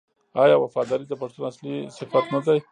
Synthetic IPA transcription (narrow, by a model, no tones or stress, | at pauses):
ɑjɑwafɑd̪ɑɾid̪əpaʂt̪unaslisɪfat̪nad̪aj